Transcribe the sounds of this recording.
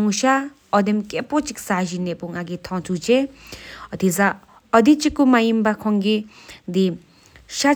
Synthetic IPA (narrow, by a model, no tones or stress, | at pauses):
ŋuʃa | ɔd̪emkepot͡siksazinepuŋaɡit̪ʰɔ̃t͡sʰut͡se | ʌt̪ʰid͡za | ʌd̪it͡sikːumajimbakʰɔŋɡi | d̪i | ʃa